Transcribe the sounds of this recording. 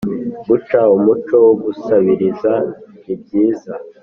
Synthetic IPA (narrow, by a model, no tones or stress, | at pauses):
ɡut͡ʃaumut͡ʃo̞woɡusaβiɾiza | ib̚ɟiːza